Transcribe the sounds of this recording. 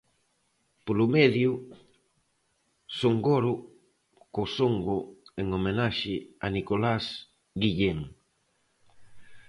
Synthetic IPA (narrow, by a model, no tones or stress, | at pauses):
polʊmɛðjʊ | soŋɡoɾʊ | kosoŋɡoeŋomenaʃɪanikolas | ɡiʎeŋ